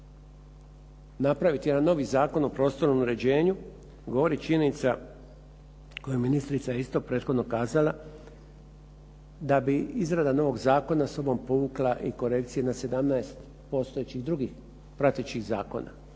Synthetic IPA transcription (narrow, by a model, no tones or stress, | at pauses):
napɾaʋit̪jeanːo̞ʋizaːko̞nopɾo̞ːst̪o̞ɾnomuɾe̞d͡ʑe̞ːɲu | ɡo̞ʋo̞ɾit͡ʃiɲeenit̪sa | kojuminist̪ɾit̪sajeist̪o̞pɾe̞ːt̪xo̞d̪no̞kaːzala | d̪abiizɾad̪ano̞ʋo̞ɡzaːko̞naso̞bo̞mpo̞ʋuklˠaʔiko̞ɾe̞kt̪sije̞nase̞d̪amnaest̪ | po̞st̪oet͡ɕiɣd̪ɾuɡix | pɾat̪et͡ʃiɣza̰ːko̞̰na̰